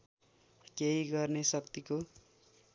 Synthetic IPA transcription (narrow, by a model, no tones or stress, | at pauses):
keiɡʌrnesʌkt̪iko